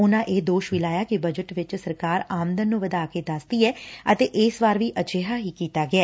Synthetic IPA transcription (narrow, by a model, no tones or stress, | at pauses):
ʊnãːʔeːd̪oːʃʋɪlaːjaːkibəd͡ʒəʈʋɪt͡ʃsəɾkaːɾaːmənd̪ənːũːʋəd̪aːkeːd̪əsd̪iːɛːət̪eːʔɪsʋaːɾʋiːʔət͡ʃeːɦaːɦiːkiːt̪aːɡɪaː